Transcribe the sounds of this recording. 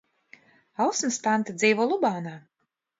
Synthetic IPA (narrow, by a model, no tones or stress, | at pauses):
awsmɨspant̪ɨd̪ziːvɔːlˠubaːnaː